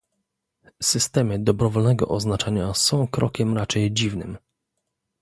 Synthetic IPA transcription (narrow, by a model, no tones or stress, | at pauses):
sɘst̪ɛmɘd̪ɔbɾɔvɔlnɛɡɔ̰ʔɔznat͡ʂaɲasɔ̃w̃kɾʔɔ̰kʲɛmɾat͡ʂɛjd͡ʑivnɘ̰m